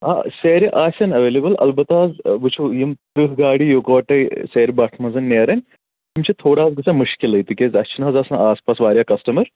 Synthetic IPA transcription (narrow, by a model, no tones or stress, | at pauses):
a̰ːseːɾiʔaːsʲɐnɐʋeːlebɐlɐ̰lbɐt̪aːzʋut͡ʃʰujimt̪ɾɨɦɡaːɽijoːkoːʈɐseːɾʲibaʈʰmɐnzɐnːeːɾɐnʲ | imt͡ʃʰit̪ʰoːɽaːzɡɨsamuʃkilɐjt̪ikʲeːzɐt͡ʃʰinaːzaːsnɐaːspaːsʋaːɾʲjaːkɐsʈɐmɐɾ